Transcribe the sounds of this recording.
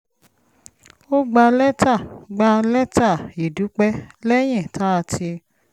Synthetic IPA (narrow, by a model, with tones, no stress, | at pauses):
o˦ɡ͡ba˧lɛ˦ta˦˨ɡ͡ba˧lɛ˦ta˦˨ji˨du˨˦k͡pɛ˦lɛ˦j̃ɛ̃˦˨tʰa˨˦a˧ti˧